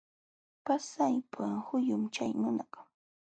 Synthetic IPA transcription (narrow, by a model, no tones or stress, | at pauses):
pasajpʰahʊjʊmt͡ʃa̰jmʊnɑk